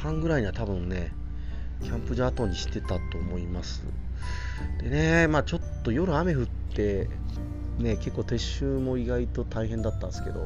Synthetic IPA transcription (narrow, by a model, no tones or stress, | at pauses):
hãŋɡɯ̟ɾaiɲ̟iβat̪abɯ̟̃nnːe̞ | kʲʰãmpɯ̟ʑaːt̪õ̞ɲ̟ːiɕi̥t̪e̞t̪at̪o̞ːmo̞imasɨ̰ | d̪̥e̞ne̞maːt͡ɕo̞t̪ːo̞jo̞ɾɯ̟ame̞ɸɯ̟t̪ːe̞ | ne̞ke̞kːoːt̪e̞ɕɨːmo̞iɡait̪o̞t̪aiɦẽ̞nd̪at̪ːã̰nsɨ̥ke̞d̪o̞̰